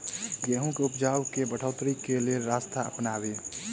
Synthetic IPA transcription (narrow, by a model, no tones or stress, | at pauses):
ɡjeɦũkeupd͡ʒaːwkebəʈʰəːt̪ɾikelelɾast̪ʰaə̰pnaːbe